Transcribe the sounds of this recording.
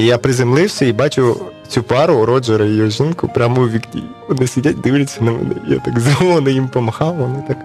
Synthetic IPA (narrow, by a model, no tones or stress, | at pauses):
ijapɾɪzemlˠɪwsʲɐibɑt͡ʃʊt͡sʲupɑɾʊɾɔd͡ʒɐɾɐjɔjɔʒɪnkʊpɾʲamɔʊʋʲiknʲḭʋɔnɪsʲidʲat̚ʲd̪ɪʋlʲɐt͡sʲːɐnɐmɛ̰nɪ̰ja̰t̪ɑkzʋɔnɪjimpɔmɐxɑwʋɔnɪt̪ɑk